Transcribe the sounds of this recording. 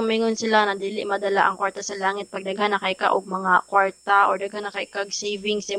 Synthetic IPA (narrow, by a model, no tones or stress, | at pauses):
ʊmiŋʊnsɪlanɐd̪iːlɪʔmɐd̪ɐlaʔɐŋkwaɹt̪ɐsɐlaːŋɪt̪̚pɐɡ̚d̪ɐɡhanːɐkɐjka̰ʔoɡ̚mɐŋakwaɹt̪aʔɔɹd̪ɐɡhanːɐkɐjkaɡ̚sɛjvɪŋsɪ